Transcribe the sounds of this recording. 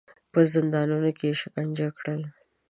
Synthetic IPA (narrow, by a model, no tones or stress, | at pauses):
pəzɪnd̪ɑnunokeʃɪkaɲd͡ʒakɽəl